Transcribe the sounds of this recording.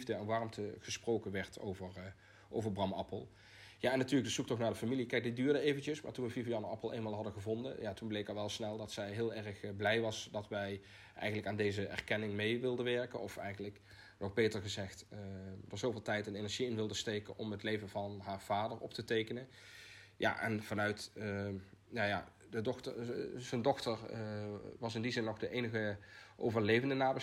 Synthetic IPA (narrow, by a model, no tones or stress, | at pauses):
vdəɛnʋɑɹmtəɣəsprowkənʋɛɹtʰo̰wvəɹ | ʔowvəɹbrɑmɑ̰pəlˠ | jaːɛnːatyːɹləɡdəz̥uktɔxnaːɹdəfamilikɛjk̚didyːɹdəejvəncəsma̰ːɹtunʋəvivjɑnəɑpəl̩ˠḛjnmaːlˠɦɑdəɣəvɔndə̰njaːtunblejkɑlˠʋɛlˠsnɛlˠdɑtsɛjɦɪːlˠɛɹəxblɛjʋɑsdɑtʋɛj | ʔɛ̰jɣəntləkaːndejzəɛ̰rkɛnɪŋmejʋɪlˠdənʋɛɹkənɔfɛ̰jɣənlək | nɔxbejtəɹɣəzɛxtdɔz̥owvɪːlˠtɛjtənenɛɹʒiɪnʋɪlˠdəstejkənʔɔmɦətlejvəvɑnɦaːɹv̥aːdəɹɔp̚tətejkənən | ja̰ʔɛ̰nv̥ɑnœɥt | jaja̰ | dədɔxtəz̥əndɔxtəɹ | ʋɑsɪndizɪnːɔχdəʔejnəɣəʔo̰wvəɹlejvəndənaːbə